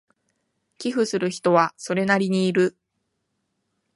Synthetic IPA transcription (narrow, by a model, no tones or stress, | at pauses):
kʲiɸɯ̟sɨɾɯ̟çi̥t̪o̞βaso̞ɾe̞naɾʲiɲ̟iːɾɯ̟